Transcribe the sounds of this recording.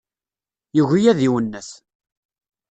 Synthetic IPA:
juʝijæðiwənːəθ

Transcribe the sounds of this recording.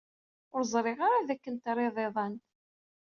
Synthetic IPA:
ʊɾzˤɾˤeʁaɾaðækːənt̪ɾˤeðˤeðˤɑnt̪

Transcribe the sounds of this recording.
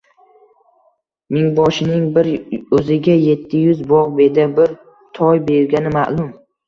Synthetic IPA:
mɪŋbɒʃɪnɪŋbɪɾɵzɪɡʲaje̞t̪ʰːɪjʊzbɒʁbe̞d̪abɪɾ | t̪ʰɒjbe̞ɾɡʲanɪma̰ʔlˠʊm

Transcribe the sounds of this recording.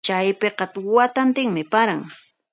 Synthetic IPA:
t͡ʃajpeqɑt̪wat̪ant̪ɪŋmɪpaɾaŋ

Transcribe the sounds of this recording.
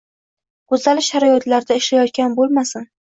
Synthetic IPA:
ɡ̥ʊzalɪʃaɾajɒt̪laɾd̪aɪʃlajɒt̪̚kʲanbolˠmasɪn

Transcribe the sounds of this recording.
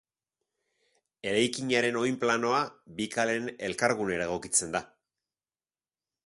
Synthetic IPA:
e̞ɾajkiɲaɾe̞no̞jmplano̞abikale̞ne̞lkaɾɣune̞ɾaɣ̞o̞kit͡se̞nd̪a

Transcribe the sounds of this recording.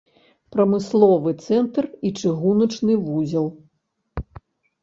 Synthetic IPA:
pɾɐmɨslˠɔvɨt̪sɛnt̪rit͡ʂɨɣunɐt͡ʂnɨvuzʲɐlˠ

